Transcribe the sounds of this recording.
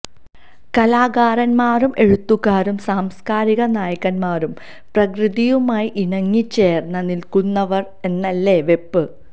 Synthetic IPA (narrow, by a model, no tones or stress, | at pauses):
kɐlaːɡaːrɐnmaːrumʔe̞ɻut̪ːuɣaːɾumsaːmskaːɾiɣɐnaːjɐkːɐnmaːrum | prɐkrɨðijumaːjiʔiɳɐŋːit͡ɕːe̞ːrnːɐnilkunːɐʋɐr | e̞nːɐlːeʋe̞pːɨ